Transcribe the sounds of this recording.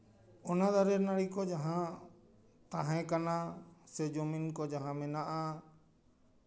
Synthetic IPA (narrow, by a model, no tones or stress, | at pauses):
ɔnad̪aɾɛnaɽikɔd͡ʒaɦã | t̪ãɦɛ̃kanasɛd͡ʒominkɔd͡ʒaɦãmɛnaʔa